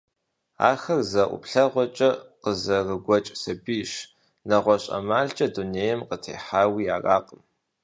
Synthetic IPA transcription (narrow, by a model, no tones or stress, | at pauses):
a̰ːxɐrzɐʔʷʊ̰pɬɐʁʷɔt͡ʃʼɐqəzɐrɨɡʷɔt͡ʃʼsɐbiːʃ | nɐʁʷɔɕʼɐ̰maːɮt͡ʃʼɐduneːjɛmqətʰḛːħaːwiːjaːra̰ːqʼəm